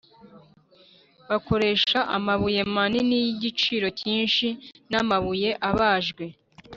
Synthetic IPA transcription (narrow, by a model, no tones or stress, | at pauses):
βako̞ɾe̞ːʃaʔa̰maβuje̞maninijiɟit͡ʃiːɾo̞ciːnʃinamaβuje̞ʔaβaːʒɡwe̞